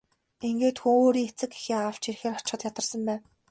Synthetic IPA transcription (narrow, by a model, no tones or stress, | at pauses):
iŋɡeːt̪xuoːɾiːŋet͡sɘ̆ki̥xeːaw̥t͡ɕirxeːrɔt͡ɕχə̆t̪jat̪ə̆rsə̆mpæːn